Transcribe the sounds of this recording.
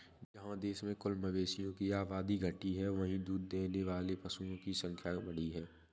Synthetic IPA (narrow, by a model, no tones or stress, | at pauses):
d͡ʒɐɦãd̪eːʃmẽkʊlməʋeːʃijõkiaːbaːd̪iɡʱəʈiɦɛʋɐɦĩd̪uːd̪ːeːneʋaːlepɐsũjõkisə̃ŋkʰjabɐɽ̤iɦɛː